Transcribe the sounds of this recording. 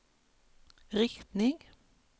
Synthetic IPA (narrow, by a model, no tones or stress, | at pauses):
ʁɪkt̪nɪŋ